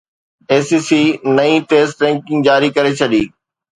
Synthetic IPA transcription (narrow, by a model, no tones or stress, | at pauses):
eːsiːsiːnɐĩʈeːsʈɾɛ̃ːŋkɪ̃ŋɡd͡ʑaːɾikɐɾet͡ɕʰɐɗiː